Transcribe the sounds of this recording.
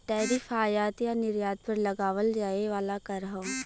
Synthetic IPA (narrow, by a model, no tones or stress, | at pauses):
ʈɛːɾifʰaːjaːt̪janɪɾjaːd̪̚pɐɾlɐɡaːʋəld͡ʒaːeʋaːlakɐɾɦõː